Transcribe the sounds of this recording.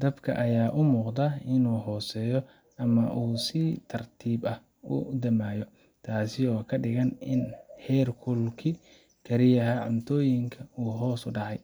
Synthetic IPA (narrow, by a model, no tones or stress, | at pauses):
d̪̥ɐbkʰɐ̰ʔɐjaːʔʊmuːqd̪ɐɪnuːɦɔːsɛːjɔ | ɐmɐʔuːsɪt̪ʰɐrt̪ʰiːbɐh | ʊ̰d̪ɐmaːjɔ | t̪ʰaːsɪɔːkʰɐɖɪɣɐnɪnhɛːrkʰʊlkʰɪ | kʰɐɾɪjɐɦɐʕʊnt̪ʰɔːjɪŋkʰɐuːɦɔːsʊɖɑʕɑj